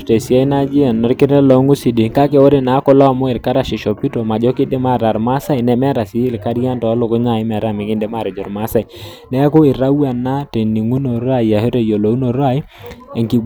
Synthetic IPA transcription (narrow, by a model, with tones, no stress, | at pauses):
te˨sja˦i˦na˦d͡ʒi˦a˨nːɔ˨ɾkɪ˦ɾɛ˦lɔ˦ŋu˦si˨di˨ka˦kɛ˨wɔ˦ɾɛ˦na˨˦kɔ˦lɔ˦a˨mɔ˦ɪ˨ɾka˦ɾa˨ʃi˨ʃɔ˨pi˦to˨ma˨d͡ʒɔ˦kɪ˦de˦ma˦˨ɾa˨ɾma˦sa˦i˨nɛ˨mɛ˦ɾa˨si˨˦lka˦ɾija˦ntɔ˨a˦lo˨kɔ˦ɲa˨ɪ˦mɛ˨ɾa˦˨mɪ˨kɪ˦ndɛ˦ma˦˨ɾɔ˨d͡ʒɔ˨ɾma˦sa˨i˨ | nɛ˦a˦ko˦ɪ˨ɾa˦wa˨na˦te˨ni˨ŋu˦no˨ɾa˦˨ja˨he˦ɾe˦˨jo˨lo˨u˦no˨ɾa˦i˦ | e˨ŋki˨